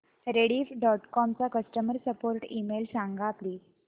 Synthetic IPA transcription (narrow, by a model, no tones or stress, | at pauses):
ɾeɽifɖɔʈkɔmt͡sakəsʈəməɾsəpoɾʈimelsãŋɡʱapliːd͡z